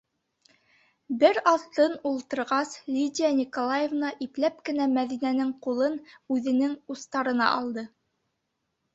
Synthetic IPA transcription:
bɘɾɑθt̪ɤnulˠt̪ɤ̆ɾʁɑslʲid̪ʲijanʲikolˠajevnɑʔiplæp̚kɘ̆næmæðinænɘŋqulˠɤnʉðɘ̆nɘŋust̪ɑɾɤ̆nɑ̰ʔɑlˠd̪ɤ

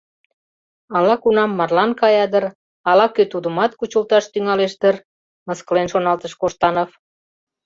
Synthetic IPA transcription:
ɑlɑkunɑmːɑrlɑnkɑjɑd̪ər | ɑlɑkøt̪ud̪əmɑt̪kut͡ɕult̪ɑʃt̪yŋɑleʃd̪ər | məskəlenʃonɑlt̪əʃkoʃt̪ɑnof

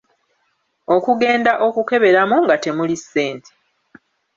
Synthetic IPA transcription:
o̞kuɡe̞ːndaʔo̞kuke̞βe̞ɾamuŋɡate̞mulisːe̞ːntʰi̥

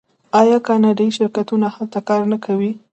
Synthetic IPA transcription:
ɑjɑkɑnɑɖaiʃɪɾkat̪unahalt̪akɑɾnakʰawi

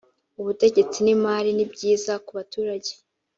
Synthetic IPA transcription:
uβute̞ɟe̞t͡sinimaɾinibɟiːzakuβatuːɾaɟe

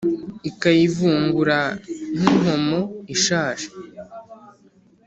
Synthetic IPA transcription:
ikajivuːŋɡuɾan̥iŋomoiʃaːʃe̥

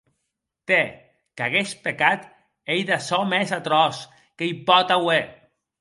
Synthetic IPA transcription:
t̪e | kaɣeʃpekat̪ | ejðasɔmɛzat̪ɾɔs | keipɔt̪awe

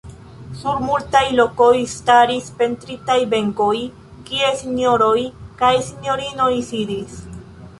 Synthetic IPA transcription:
suɾmultajlo̞ko̞jstaɾispe̞ntɾitajbe̞ŋko̞j | kie̞sinjo̞ɾo̞jkajsino̞ɾino̞jsidis

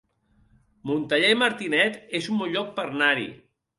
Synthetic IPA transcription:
munt̪aʎɛmaɾt̪inɛt̪ezumbɔʎɔk̚pəɾnaɾḭ

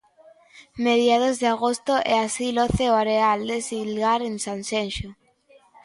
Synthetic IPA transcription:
meðjað̞ozðeaɣost̪oʔɛasiloθeoaɾeald̪esilɣaɾensansenʃo

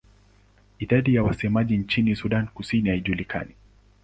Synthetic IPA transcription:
iɗaɗijawasɛmaʄint͡ʃinisuɗankusinihaiʄulikʰa̰ni

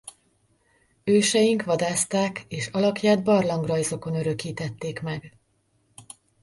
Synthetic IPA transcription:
øːʃɛjiŋkʋɒd̪aːst̪aːkeːʃɒlɒkjaːd̪bɒrlɒŋɡrɒjzo̞ko̞nøɾø̞kiːt̪ɛt̪ːeːkmɛɡ

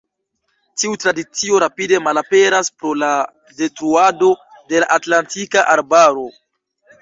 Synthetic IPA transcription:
tiutɾadit͡sio̞ɾapide̞malape̞ɾaspɾo̞la | de̞tɾuado̞ | de̞laʔatlantikaʔaɾbaɾo̞

